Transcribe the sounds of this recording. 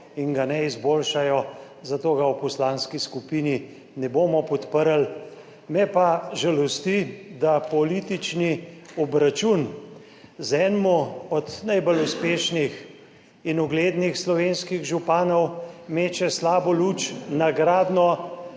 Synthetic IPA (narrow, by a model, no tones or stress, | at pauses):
iŋɡanɛizbolʃajɔ | zat̪oːɡawpɔslaːnskiskupini | nɛboːmɔpɔt̪pəɾl | mɛpaʒalɔst̪id̪apɔlit̪it͡ʃniɔbɾat͡ʃun | zɛːnmɔɔd̪najbəluspeːʃnix | inɔɡleːd̪nixslɔʋenskiɣʒupaːnɔwmeːt͡ʃɛslaːbɔlut͡ʃnaɡɾaːd̪nɔ